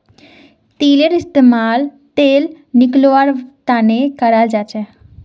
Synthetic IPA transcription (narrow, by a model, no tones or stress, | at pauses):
t̪iːleɾɪst̪eːmaːl | t̪eːl | nɪkloaɾt̪aːnekəɾald͡ʒaːt͡ʃɛː